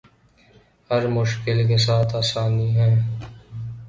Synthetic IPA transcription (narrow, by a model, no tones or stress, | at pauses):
hɐɾmʊʃkɪlk̬es̬aːt̪ʰaːsaːniɦɛː